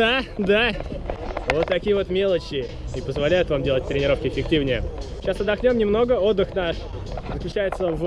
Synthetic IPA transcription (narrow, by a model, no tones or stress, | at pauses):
ad̪a | vot̪ːɐkʲijəvo̞t̪mʲe̞lˠət͡ɕːɪ | ipəzvɐlʲæjʊt̪vamdʲe̞lˠət̚ʲt̪ɾʲɪnʲɪɾo̞fkʲɪɪfʲɪk̚tʲivnʲɪjə | ɕasɐd̪ɐxnʲo̞mnʲɪmno̞ɡəo̞d̪ːɨxnaʂ | zəklʲʉt͡ɕːæjɪt̪səv